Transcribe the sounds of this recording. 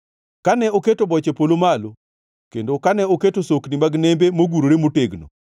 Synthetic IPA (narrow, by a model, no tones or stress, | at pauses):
kanɛoketobɔt͡ʃepolomalo | kendokanɛoketosoknimaɡnembemoɡuɾoɾemoteɡno̰